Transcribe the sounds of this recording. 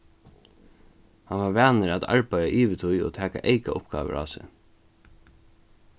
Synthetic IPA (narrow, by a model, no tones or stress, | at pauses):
hanʋaɹʋæːnəɾat̪a̰ɹpajaʔiːʋɪt̪ʰʊjo̰t̪ʰæːka̰ʔeɪkaʔʊpɡ̥ɑ̰ːʋə̰ɾʔa̰ːsɪ̰